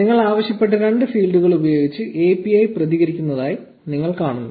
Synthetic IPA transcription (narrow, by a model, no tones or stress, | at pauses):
niŋːɐɭaːʋɐɕjɐpːe̞ʈ̬ːɐɾe̞ɳɖɨfiːlɖuɣɐɭubɐjo̞ːɡit͡ɕːɨʔe̞ːpiɐjprɐðiɣɐɾikʲːunːɐðaːji | niŋːɐɭkaːɳunːu